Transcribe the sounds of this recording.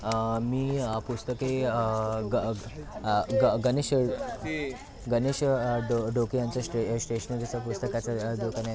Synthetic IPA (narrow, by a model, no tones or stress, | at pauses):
miːəpust̪əkeəɡ | ɡɡəneɕ | ɡəneɕɖoɖokijant͡sasʈesʈeɕənd͡zisapust̪əkat͡saɖ̪okana